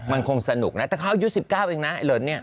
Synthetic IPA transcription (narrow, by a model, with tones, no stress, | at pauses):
ma˧nkʰo˧ŋsa˧nu˨˩k̚na˦˥t̪ɛː˨˩kʰa˥˩ʔa˧ju˦˥si˨˩p̚kaː˥˩wʔeː˧ŋna˦˥ʔa˧˩jlɤː˨˩nnːi˥˩ɐ